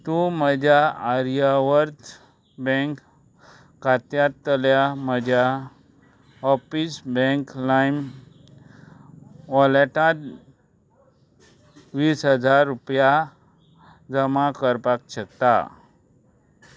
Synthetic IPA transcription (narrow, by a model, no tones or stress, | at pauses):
t̪ũməd͡ʑʱjaaɾijaʋəɾt̪ | bɛ̃ŋkː | at̪jat̪ːəljaməd͡ʑʱja | ɔfisbɛ̃ŋklajm | ʋɔləʈãt̪ | ʋiːsɦəd͡zaɾːupja | d͡zəmakəɾpakɕək̚t̪a̰